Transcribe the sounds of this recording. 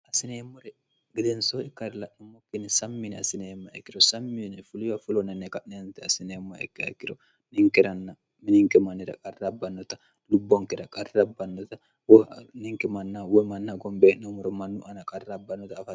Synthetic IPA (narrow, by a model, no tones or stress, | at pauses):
asinɛmɔɾɛ | ɡidɛnsoikaɾlanɔmokːinisamːinɛasinɛmːaɛkːiɾɔsamːinɛfuliwafulɔnɛnːɛkanɛnt̪ɛasinɛmaɛ̰kːɛa̰kːiɾɔ | niŋkɛɾanːa | miniŋkɛmanːiɾa̰kʼarːabːanːɔt̪a | lubːɔŋkɛɾakʼarːabːanːɔt̪a | wniŋkɛmanːawɛmanːaɡɔmbɛnɔmuɾɔmanːuʔanakʼarːabanːɔt̪aːfa